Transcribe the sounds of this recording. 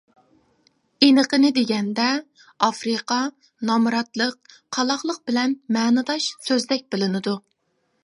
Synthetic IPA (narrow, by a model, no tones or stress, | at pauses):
enəqənɨd̪eɡʲɛnd̪ɛ | ɑfɾɨqɑ | nɑmɾɑt̪lˠəq̚ːʰ | ɑlˠɑχlˠəq̚b̥ɪlɛnmɛːnɨd̪ɑʃsøzd̪ɛk̚ʲbɪlɪnɪd̪u